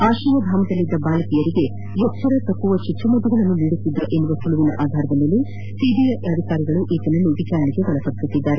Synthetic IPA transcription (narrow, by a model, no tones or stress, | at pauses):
aːʃijɐd̪ʱaːmɐd̪ɐlːid̪ːɐbaːlɐkijɐɾiɡe̞ | jɔksɐɾet̪ɐkːuʋɐt͡ʃut̪ːumɐd̪uɡɐɭɐnːuniɽut̪ːid̪ɾuʔe̞nːuʋɐsuɭuʋinɐ̰ʔaːd̪ʱaːɾɐd̪ɐlːelːi | sid̪ijɐʔɐd̪ʱikaːɾiɡɐɭuʔiːt̪ɐnɐnːuʋit͡ʃaːɾɐɳiɡeʋɐɭɐpɐksut̪ːid̪ːaːɾe